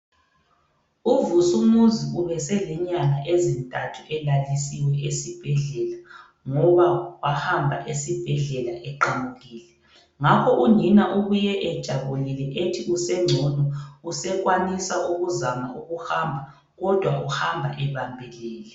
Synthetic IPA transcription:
uvusumuziuβɛsɛlɛɲaŋaʔezintʼatʰuʔɛlalisiwɛʔesib̥ʱɛɮɛla | ŋɔβawahambʱa̰ʔesib̥ʱɛɮɛlaʔɛǃamuɣiːlɛ | ŋakʰɔʔuɲinaʔuβujɛʔɛd̥ʒ̥ʱaβulilɛʔetʰiusɛŋ͡ǀʱɔnɔusɛɣwanisaʔuɣuzama̰ʔuɣuhambʱa | ɣɔd̥ʱwauhambʱaʔɛβambʱɛlɛːlɛ

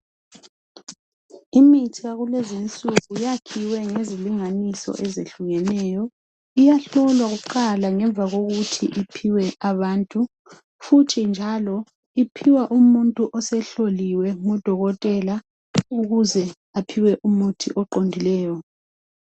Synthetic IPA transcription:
imitʰiaɣulɛzint͡sʼuɣujakʰiwɛŋeziliŋanisɔ̰ʔɛzeɬuɣɛnɛːjɔ | ijaɬɔlwaɣuǃalaŋɛɱb̪vʱaɣoɣutʰḭʔipʰiwɛʔaβaːntʼu | futʰind͡ʒʱalɔ | ipʰiwaʔumuntʼuʔɔsɛɬoliwɛŋɔd̥ʱɔɣɔtʼɛla | uɣuzɛ | apʰiwɛʔumutʰiʔɔǃondʱilɛːjɔ

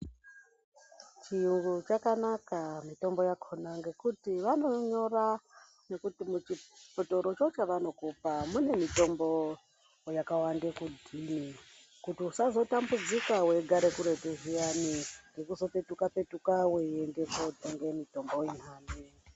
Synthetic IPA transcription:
t͡ʃiuŋɡut͡ʃakanakamito̞mbo̞jakʰonaŋɡe̞kutiʋano̞ɲo̞ra | ne̞kutimut͡ʃipoto̞ɾot͡ʃo̞t͡ʃaʋano̞kupamune̞mito̞mbo̞ | jakawandekudʱini | kutiusazo̞tambud͡zikawe̞ɡʱaɾekuɾe̞teɦianiŋɡe̞kuzo̞pe̞tukape̞tukaweiendekodʱeŋɡe̞mito̞mbo̞jinɦaːndi

